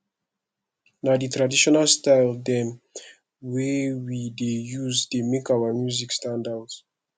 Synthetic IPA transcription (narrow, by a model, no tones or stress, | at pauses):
naditɹadiʃɔnalstaɪldɛ̃n | wɛwidejuzdemekawamjuzikstãndaʊt